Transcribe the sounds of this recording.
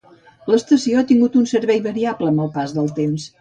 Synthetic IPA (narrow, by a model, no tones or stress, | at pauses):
ləst̪əsioat̪iŋɡut̪unsəɾβɛjβəɾiabləməlˠpazðəlˠt̪ems